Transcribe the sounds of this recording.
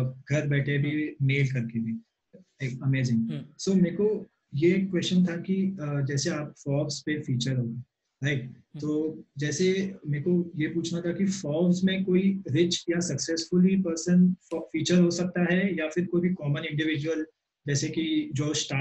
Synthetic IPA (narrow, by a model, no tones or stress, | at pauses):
ɡʱɐɾbɛːʈʰebʱimeːlkɐɾkebʱiː | ɐmeːzɪ̃ŋɡsoːmeːko | jeːkkːwɛst͡ʃənt̪ʰakid͡ʒɛːseaːp̚fɔːbspefiːt͡ʃəɾɦoːɡẽː | baɪk | t̪oːd͡ʒɛːsemeːkojepuːt͡ʃʰnat̪ʰakifɔːbsmẽkoːiɾɪt͡ʃjasɐksɛːsfʊlipəɾsənɔfiːt͡ʃəɾɦosɐk̚t̪aɦɛjafɪɾkoːibʱikɔːmənɪ̃ɳɖɪʋɪd͡ʒuwəl | d͡ʒɛːsekid͡ʒoːsʈa